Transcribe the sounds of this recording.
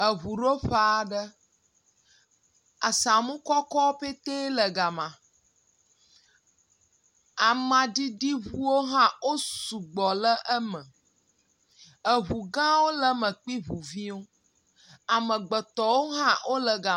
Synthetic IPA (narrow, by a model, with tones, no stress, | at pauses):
ə˨βu˨ɖo˦ɸa˨a˨ɖə˦ | a˨sa˨mũ˦kɔ˦kɔ˦o˦ɸe˦t̪e˦lə˨ɡa˨mã˨ | a˨mã˨di˦ɖi˦βu˦wo˦ɦã˦wo˦su˨ɡ͡bɔ˨lə˦ʔə˦mə̃˨ | ə˨βu˨ɡã˦wo˦lə˦mə̃˨k͡pi˦βu˨vi˦wo˦ | a˨mə̃˨ɡ͡bə˨t̪ɔ˨wo˦ɦã˦wʔo˦lə˨ɡa˨